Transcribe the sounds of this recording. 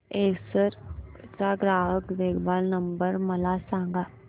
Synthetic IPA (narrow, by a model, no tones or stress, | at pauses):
eːsəɾtaːɡɾaːɦəkd̪eːkbaːlnəmbəɾməlaːsãːŋɡaː